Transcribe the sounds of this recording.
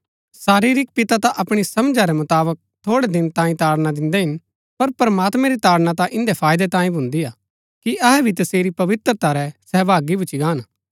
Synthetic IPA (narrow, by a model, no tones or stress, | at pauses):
saːɾiːɾɪk̚pɪt̪at̪aʔɐpɽ̃isɐmd͡ʒaɾɛmʊt̪aːbək̚t̪ʰoːɽɛd̪ɪnt̪ãːĩt̪aːɽnad̪ɪ̃nd̪ɛɦɪn | pɐɾpɐɾɐmaːt̪mɛ̃ɾit̪aːɽnat̪ãʔɪ̃nd̪ɛpʰaːjd̪ɛt̪ãːĩbʱʊ̃nd̪iaː | kiʔɐɦɛbʱit̪ɐseːɾipɐʋɪt̪ɾət̪aɾɛsɛɦbaːɡibʊt͡ʃiɡaːn